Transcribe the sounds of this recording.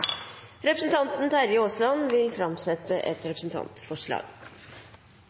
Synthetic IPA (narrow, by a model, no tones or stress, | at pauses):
ɾɛpɾəsn̩t̪ʰɑnt̪n̩t̪ʰæɾɪoːslɑnʋɪlfɾɑmsɛt̪ːəʔɛ̰t̪ɾɛpɾəsn̩t̪ʰɑ̰nt̪fɔʂɭɑ̰ːɡ̥